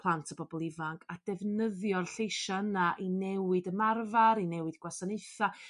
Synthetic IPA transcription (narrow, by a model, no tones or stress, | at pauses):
pʰlˠantʰəbɔbɔlˠɪvaŋkʰad̥ɛvnəðjɔrɬejʃaənaʔinɛwɨdəmarvaɾinɛwɨdɡwasaneɨθa